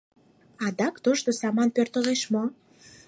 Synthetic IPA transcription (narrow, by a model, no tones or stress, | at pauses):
ɑd̪ɑkt̪oʃt̪osɑmɑnpørt̪əleʃmo